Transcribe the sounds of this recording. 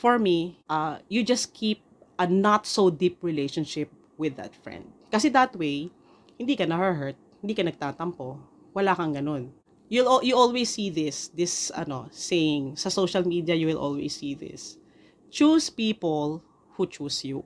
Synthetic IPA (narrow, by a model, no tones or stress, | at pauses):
fɔɹmiʔɐjud͡ʒɐskʰip̚ | ʔɐnat̪sod̪ip̚ɹɪlejʃɔ̃nʃɪp̚ | wɪðɐ̰t̪fɹɛ̰̃nd̪̚kɐsɛd̪ɐt̪wej | hɪ̃nd̪iːkɐnɐhɛɹɦɛɹt̪̚hɪnd̪iːkɐnɐɡ̚t̪aːt̪ɐmpo | wɐlakɐŋɡɐnon | juwɪlojuʔɔlwesːiðɪsd̪ɪsɐ̰nosejɪ̃ŋsɐsowʃɐlmid̪iɐjuwɪlʔo̰lwḛsːiðɪ̰s | t͡ʃuspiːpol | hut͡ʃuːsju